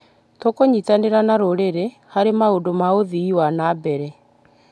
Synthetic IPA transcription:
tokoɲitaneɾanaɾoɾeɾe | haɾemaodomaoðiːwanaːbɛɾɛ

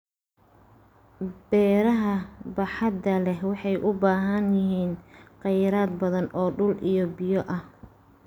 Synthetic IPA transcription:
b̥ɛːɾɐɦɐbɑħɑd̪ɐlɛɦwɑħɑjʔʊbaːɦɐnjɪɦiːnqɑjɾaːd̪bɐðɐnɔːɖʊlʔijɔbɪjɔʔɐh

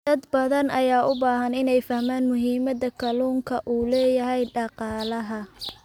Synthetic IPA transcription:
d̪̥ɐd̪bɐðɐnʔɐjaːʔʊbaːɦɐnɪnɛjfɐhmaːnmʊɦiːmɐd̪ɐkʰɐluːŋkʰɐʔuːlɛːjɐɦɛjɖɑqɑːlɐɦɐ

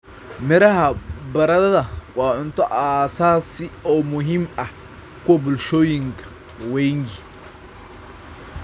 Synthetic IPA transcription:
mɪɾɐɦɐbɐɾɐðɐðɐwɑːʕʊnt̪ʰɔʔaːsaːsɪɔːmʊɦiːmɐh | kʰʊwɐbʊlʃɔːjɪŋkʰɐ̥ | wɛjŋɡɪ

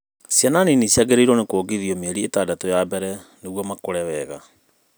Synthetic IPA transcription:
sjananinisiaɣeɾeiɾɔnekoːɡiðiɔmeɛɾietadatojabɛɾɛneɣwɔmakoɾɛwɛɣa

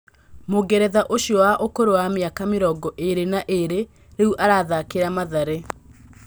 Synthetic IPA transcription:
moɡɛɾɛðaʔoɕiɔwaʔokoɾowameakameɾɔɡɔʔeɾenaʔeɾe | ɾeuʔaɾaːðakeɾamaðaɾe

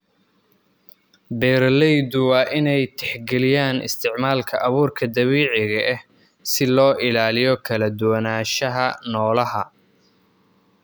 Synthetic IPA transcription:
bɛːrlɛjd̪ʊwɑːʔɪnɛjt̪ʰɛħɡɛlɪjaːnʔɪ̰st̪ʰɪʕmaːlkʰɐʔɐβuːrkʰɐd̪ɐβiːʕɪɣɐʔɛh | sɪlɔːʔɪlaːlɪjɔkʰɐlɐd̪ʊwɐnaːʃɐɦɐnɔːlɐɦɐ̰

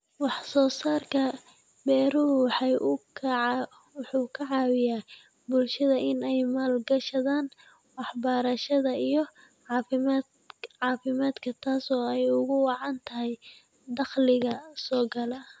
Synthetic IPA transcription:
wɑħsɔːsaːrkʰɐ | bɛːɾʊɦʊwħɑ | wħuːkʰɐʕɑːwɪjaː | bʊlʃɐðɐɪnɛjmaːlɡɐʃɐðaːn | wɑħbɐɾɐʃɐðɐijɔ | fɪmː | ʕɑːfɪmaːd̪kʰɐt̪ʰaːsɔːɛjʊɣʊwɑʕɑnt̪ʰɐɦɛj | d̪ɑχlɪɣɐsɔːɡɐlɐ

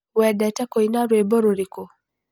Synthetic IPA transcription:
wadatakɔinaɾwɛbɔɾuɾikɔ

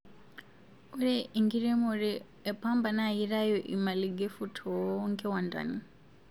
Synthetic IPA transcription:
ɔɾɛʔiŋɡiɾɛmɔɾɛː | pʰambanajiɾajɔʔḭmaliɡefutʰɔŋkʰɛwanda̰ni

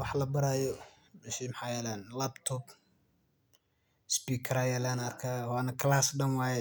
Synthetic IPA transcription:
wɑħlɐbɐɾaːjɔ | mɛʃimħɑːjɛːlɛːnlaːbt̪ʰɔb | spiːkʰɐɾaːjɛːlaːnɐɐrkʰaːwaːnɐkʰɐlaːsɖɐnwɑːjɛ

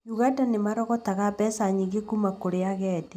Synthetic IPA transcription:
ɲuɣatanemaɾɔɣɔtaɣapɛsaɲiɣekumakoɾeaɣɛde

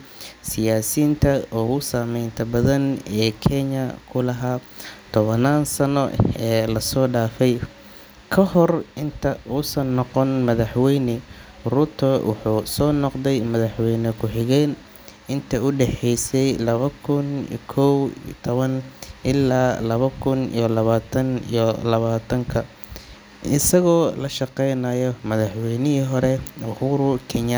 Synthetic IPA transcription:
sɪjaːsiːnt̪ʰɐɔɣʊsamɛjnt̪ʰɐbɐðɐnɛːkʰɛɲɐkʰʊlɐɦaː | t̪ʰɔβɐnaːnsɐnɔ̰ɛːlɐsɔːɖaːfɛj | kʰɐhɔrɪnt̪ʰɐʊsɐnːɔqɔnmɐðɐħwɛjnɪ | rʊt̪ʰɔwʔʊ̰ħuːsɔːnɔqðɛjmɐðɐħwɛjnɐkʰʊħɪɣɛːn | ɪnt̪ʰɐʊɖɛħɛjsɛjlɐβɐkʰʊn̰kʰɔwt̪ʰɔβɐnʔɪlːaːlɐβɐkʰʊnḭjɔlɐβaːt̪ʰɐnḭjɔlɐβaːt̪ʰɐŋkʰɐ | ɪsɐɣɔːlɐʃɑqɛjnaːjɔmɐðɐħwɛjnɪɦiɦɔɾɛʊhʊɾʊkʰɛna

